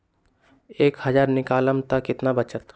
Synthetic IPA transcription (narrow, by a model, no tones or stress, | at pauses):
eːkhəd͡ʒaːɾnɪkaːləmt̪akɪt̪nabət͡ʃət̪